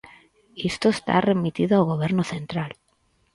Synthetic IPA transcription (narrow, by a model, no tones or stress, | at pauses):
est̪oest̪a̰re̞mit̪iðoaɣoβ̞je̞ɾnoθẽ̞nt̪ɾal